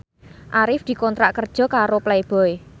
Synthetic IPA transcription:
ʔaɾɪfd̪̥i̤kɔnt̪ɾaʔkərd̥ʒ̥ɔ̤kaɾoplajb̥ɔe

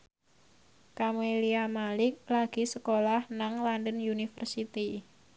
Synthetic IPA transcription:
kameliamalɪk̚laɡ̥i̤səkolahnaŋlandənunifərsit̪i

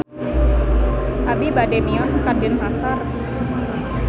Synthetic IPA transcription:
ʔabibadɛmiɔskadɪnmasar

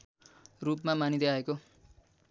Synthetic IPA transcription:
rupmamanid̪ʌaeko

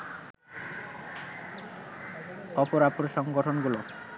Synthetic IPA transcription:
ɔpoɾapoɾʃɔŋɡoʈʰonɡulo

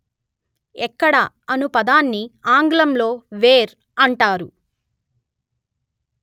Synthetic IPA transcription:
ɛkːɐɽɐ | ɐnupɐd̪aːnːiaːŋɡlɐmlo̞ːʋeːɾ | ɐɳʈaːɾu

